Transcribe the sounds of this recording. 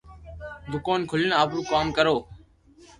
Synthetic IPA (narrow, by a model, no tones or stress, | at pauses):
bʊkoːnkʰʊləɳaːpɾũːkaːmkəɾoː